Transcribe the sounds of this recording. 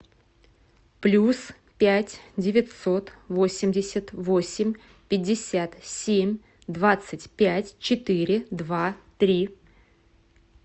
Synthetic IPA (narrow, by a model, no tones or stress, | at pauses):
plʲus | pʲætʲdʲɪvʲɪt̪so̞t̪vo̞sʲɪmʲdʲɪsʲət̪vo̞sʲɪmʲ | pʲɪdʲːɪsʲat̪sʲemʲ | d̪vat̪sɨtʲpʲætʲt͡ɕɪt̪ɨɾʲɪd̪vat̪ɾʲi